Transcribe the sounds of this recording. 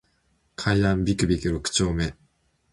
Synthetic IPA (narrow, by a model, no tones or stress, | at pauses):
kʰaiãmbʲikɯ̟bʲikɯɾokɯ̟̥t͡ɕo̞ːme̞